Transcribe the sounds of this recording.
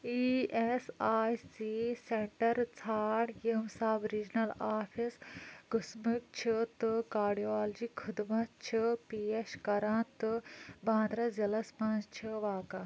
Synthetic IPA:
iesaːjsiseɳʈɐɾt͡sʰaːɽjemsaːbɾid͡ʒnɐlaːpʰisɡusmik̚t͡ʃʰit̪ɨkaːɾɖiaːld͡ʒikʰud̪mɐt͡ʃʰipiːeʃkɐɾãːt̪ɨbãːnd̪ɾɐzɐlɐspãːzt͡ʃʰiʋaːka

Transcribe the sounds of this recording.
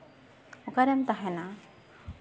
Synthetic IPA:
ɔkaɾɛmt̪aɦɛna

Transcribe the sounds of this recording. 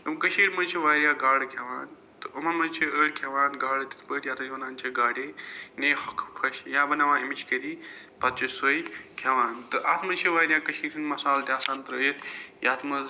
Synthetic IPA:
ɨmkɐʃʰiːɾmɐt͡ʃʰiʋaːɾijaːɡaːɽkʰjaʋaːn | t̪ɨumɐmɐt͡ʃʰiəːɽkʰjaːʋãːnɡaːɽt̪i̥t̪ʰpəːʈjaːt̪ʰɐɐnãːnt͡ʃʰiɡaːɽeːneːhɐkʰpʰɐʃjaːbɐnɐʋãːimit͡ʃkɐɾiː | pɐt̪̚t͡ʃɐsoːikʰjaʋaːnt̪ɨʔɐt̪ʰmɐt͡ʃʰiʋaːɾjãːkɐʃiːɾinmɐsaːlt̪eaːsaːnt̪ɐɾəːjit̪jaːt̪ʰmɐz

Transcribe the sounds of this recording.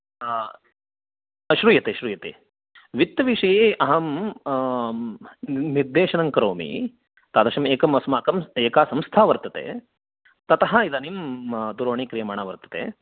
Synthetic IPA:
ʃɾuːjɐt̪eʃɾuːjɐt̪e | ʋit̪ːɐʋiʂɐjeːʔɐɦɐm | niɾd̪eːʃɐnɐŋkɐɾoːmḭ | t̪aːd̪ɐʃɐmeːkɐmʋɐsmaːkɐmeːkaːsɐmst̪ʰaːʋɐɾt̪ɐt̪ḛː | t̪ɐt̪ɐɦɐid̪ɐnimd̪uɾoːɳikɾijɐmaːɳaːʋɐɾt̪ɐ̥t̪ḛː

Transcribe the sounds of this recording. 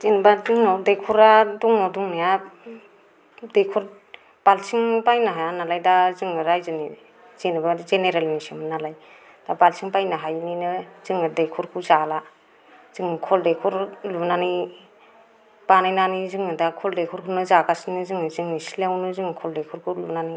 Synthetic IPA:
zinbazɯŋnɔdekʰɔɾaduŋnɔduŋnaja | dekʰɔɾ | b̥alsiŋpajnɯɦajanalajdazɯŋnɯɾajzɯnḭ | z̥inbazeneɾalnisimɯnalaj | d̥abalsiŋpajnɯɦajninɯz̥ɯŋnɯdekʰɔɾkʰuzala | z̥ɯŋkʰɔldekʰɔɾlunani | b̥anajnanizɯŋɯdakʰɔldekʰɔɾkʰunɯzakasinɯzɯŋnɯzɯŋnisilawnɯzɯŋkʰɔldekʰɔɾkʰulunani

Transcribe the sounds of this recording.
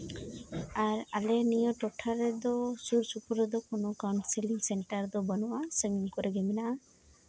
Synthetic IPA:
aɾalenijɔʈɔʈʰaɾɛd̪ɔsuɾsupɔɾɔd̪ɔkonokawnseliŋseɳʈaɾd̪ɔbɔnɔwasəŋɡiŋkɔɾeɡɛmɛnaʔa

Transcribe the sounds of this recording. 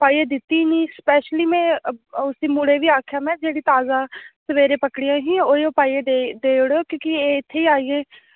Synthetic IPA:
paːieːd̪ɪt̪ːiːniːspɛːʃliːmɛ̃ːʊsiːmʊɽeːʋiːaːkʰjaːmɛ̃ːd͡ʒeːɽiːt̪aːzaːsəʋeːɾeːpəkɽɪjãːɦĩːoːeõːpaːieːd̪ed̪eːɽoːkõːkɪeːɪt̪ʰːeːiːaːiːẽː

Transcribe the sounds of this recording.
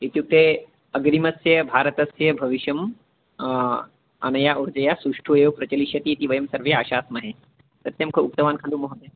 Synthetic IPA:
it̪juk̚t̪e | ɐɡɾimɐsjɐbʱaːɾət̪ɐsjɐbʱɐʋiʃjɐm | ɐ̰nɐjaʔuɾd͡ʒɐjasuʂʈʰujoʋpɾɐt͡ʃɐliʃɐt̪iːt̪iʋɐjɐmsɐɾʋjaʃaːsmɐɦe | pɐt̪jɐmkʰɐuk̚t̪ɐʋaːnkʰɐluːmɐɦot̪e

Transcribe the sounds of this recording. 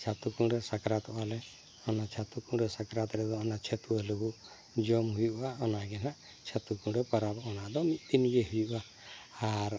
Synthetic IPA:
t͡ʃʰat̪ukuŋɾɛsakɾat̪ɔbalɛ | ɔnat͡ʃʰat̪ukuɾɛsakɾat̪ɾɛd̪ɔɔnat͡ʃʰet̪uɛluɡuʔ | d͡ʒɔmɦujuʔbaɔnaɡɛnaʔ | t͡ʃʰat̪ukuɾɛpaɾabɔnaʔd̪ɔmit̪̚t̪inɡɛɦujuʔa | aɾ

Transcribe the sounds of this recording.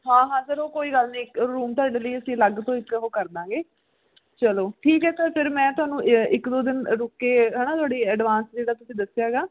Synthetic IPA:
ɦãːɦãːsəɾoːkoːiːɡəlnĩːɾuːmt̪ʊaːɖeːləiːəsĩːləɡt̪õːɪk̪ɦoːkəɾd̪ãːɡeː | t͡ʃəloːʈʰiːkɦɛːsəɾpʰɪɾmɛ̃ːt̪ʊaːnũːʔɪkd̪oːd̪ɪnɾʊkːeːɦɛːnaːt̪ʊaːɽiːɛːɖʋãːnsd͡ʒeːɽaːt̪ʊsĩːd̪əsɪjaːɡaː

